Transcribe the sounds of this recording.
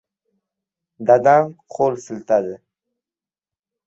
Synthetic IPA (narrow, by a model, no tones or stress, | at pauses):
d̪ad̪anqʰolsɨlt̪ʰad̪ɪ